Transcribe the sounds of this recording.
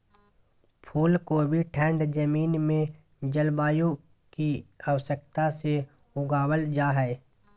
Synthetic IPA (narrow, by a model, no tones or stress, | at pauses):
pʰuːlkobʱiʈʰɛ̃ːɳɖd͡ʒəmiːnmẽ | d͡ʒəlbaːjõ | kiəwsək̚t̪ase | ʊɡaːwəld͡ʒaːɦɛ